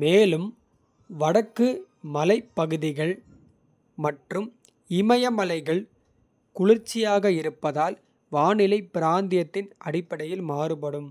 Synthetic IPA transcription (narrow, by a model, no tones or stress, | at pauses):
meːlɯm | ʋɐɽɐkːɯ | mɐlɐɪpːɐɣɯðɪɣɐɭ | mɐʈrɯm | ɪmɐjɐmɐlɐɪɣɐɭ | kʊɻɪɾt͡ʃːɪjaːɣɐɪɾɯpːɐðaːl | ʋaːnɪlɐɪpːɪɾaːnd̪ɪjɐt̪ːɪnʔɐɽɪpːɐɽɐjɪlmaːɾɯpɐɽɯm